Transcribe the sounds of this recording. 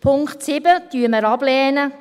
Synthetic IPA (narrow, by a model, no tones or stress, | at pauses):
pʰʊŋkχtsɪbətyəməɾɑb̥lɛːnə